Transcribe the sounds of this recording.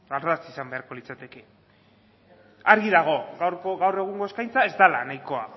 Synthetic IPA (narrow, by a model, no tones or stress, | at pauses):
aɾðasisambe̞aɾko̞lit͡sat̪e̞ke̞ | aɾɣiðaɣ̞o̞ɣwoɣawre̞ɣ̞uŋɡo̞eskajnt͡sae̞zd̪ala̰najko̞a